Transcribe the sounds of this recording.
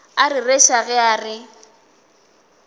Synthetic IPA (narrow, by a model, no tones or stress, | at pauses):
arireʃaɣɛaːrɪ